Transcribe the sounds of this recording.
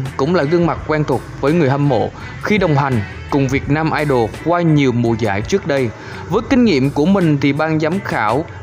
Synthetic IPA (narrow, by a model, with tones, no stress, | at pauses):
kʊ̰˧˥ŋ͡mlaː˨˩ɣɨ˧əŋma˨˩t̚kwɛː˧nt̪ʰʊ˨˩ək͡p̚vəː˨˦jŋɨ˨˩əhə˧mmo̰˧˨ | xi˧ɗə˨˩wŋ͡mɦa˨˩jŋ̟ | kʊ˨˩ŋ͡mvi˨˩ət̚naː˧mʔaː˧jɗo˨˩kwaː˧ɲi˨˩əwmu˨˩əza̰ː˧˥˨jt͡ɕɨ˦˥ək̚ɗə˧j | vəː˨˦jkï˨˧ŋ̟ŋḭ˧˨əmku˧˩əmï˨˩ŋ̟t̪ʰi˨˩ɓaː˧ŋzaː˨˦mxaː˧˩w